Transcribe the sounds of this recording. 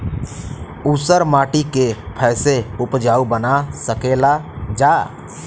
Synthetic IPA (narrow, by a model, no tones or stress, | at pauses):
usəɾmaːʈikepʰɛːseʊpd͡ʒaːubənasəkeːlad͡ʒaː